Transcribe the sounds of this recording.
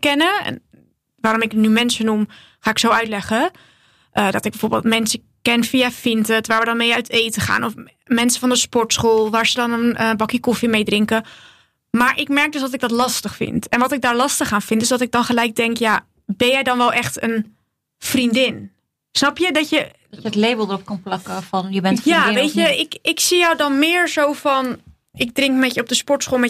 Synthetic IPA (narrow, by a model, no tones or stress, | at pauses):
kɛnəɛ̰n | ʋaːɾɔmɪknymɛnsənum | χaːɪksowœɥtlɛχə | ʔədɑtɪɡbəjvoːɹbɪ̰lˠtmɛnsə | kɛnfiafɪntətʋaːɹʋədɑnmejœɥtejtəχa̰ːnɔf | mɛnsəvɑndəspɔɹtsχolˠʋaːɹzədɑnənbɑkikɔfimejdrɪŋkə | maːɹʔɪkmɛɹk̚dɵsdɑtɪɡ̚dɑtlɑstəχfɪ̰ntɛnʋɑtɪɡ̚daːɹlɑstəχaːnfɪntɪsdɑtɪɡ̚dɑnχəlɛjk̚dɛŋkja | bɛnjɛjdɑnʋɛlˠʔɛχtən | frindɪn | snɑpjədɑtjə | dətlejbəl̩ˠdəɾɔp̚kɑnplɑkəfɑnjəbɛntfjaʋejəɪkɪksijɔwdɑnmɪːɹzowfɑn | ɪɡ̚drɪŋkmɛtjəɔb̚dəspɔɹtsχoːlˠmɛ